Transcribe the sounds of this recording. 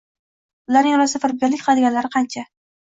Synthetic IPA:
ʊlaɾnɪŋɒlasɪfɪɾɪb̚beɾlɪkʲqʰlad̪ɪɡʲanlaɾɪqʰɑnt͡ʃʰa

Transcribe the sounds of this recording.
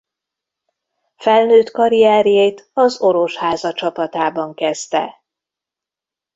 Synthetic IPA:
fɛlnøːt̪kɒɾiɛːɾjejt̪ɒzo̞ɾo̞ʃhaːzɒt͡ʃɒpɒt̪aːbɒŋkɛzt̪ɛ̰

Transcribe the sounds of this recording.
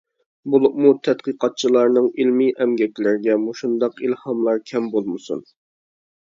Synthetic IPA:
bolˠup̚mut̪ʰɛt̪qəqʰɑt̪̚t͡ʃʰilˠɑɾnɨŋilmiʔɛmɡʲɛkʲlɪɾɡʲɛmoʃund̪ɑqilhɑmlˠɑɾkʲʰɛmbolˠmɨsṵn

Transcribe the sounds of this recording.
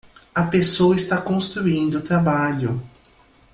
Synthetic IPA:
ɐpesowɐist̪akõst̪ɾuĩnd̪ʊʊt̪ɾabaʎʊ

